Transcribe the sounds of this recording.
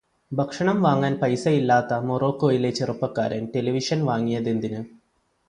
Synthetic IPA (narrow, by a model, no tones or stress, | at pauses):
bʱɐkʂɐɳɐmʋaːŋːaːnpɐjsɐjilːaːt̪ːɐmoroːkːoːjilet͡ɕːerupːɐkːa̰ːɾɐnʈe̞lɐʋiʂɐnʋaːŋːijɐðe̞nd̪inɨ